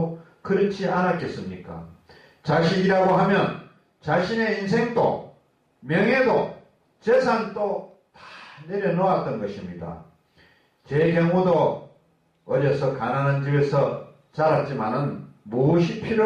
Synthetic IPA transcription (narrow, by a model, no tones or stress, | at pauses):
kɯɾʌt͡ɕʰianak͈e̞s͈ɯmɲik͈a̰ | t͡ɕaɕʰiɲiɾaɡoɦamjʌn | t͡ɕaɕʰine̞insʰe̞ŋdo̰ | mjʌŋɦe̞do | t͡ɕesʰaŋt͈o | tḁne̞ɾjʌnoat̚t͈ʌnɡʌɕʰimɲida̰ | t͡ɕekjʌŋudo | ʌd͡ʑesʰʌkanaŋɦand͡ʑibe̞sʰʌ | t͡ɕaɾat̚t͡ɕ͈imanɯnmoɕʰipʰiɾo